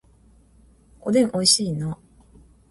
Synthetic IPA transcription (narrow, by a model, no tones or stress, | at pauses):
kod̪ẽŋʔoiɕiːno